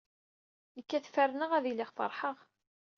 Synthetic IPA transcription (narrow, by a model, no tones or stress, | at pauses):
əkːæθfærːnəʁæðilɪʁfə̰ɾˤħəʁ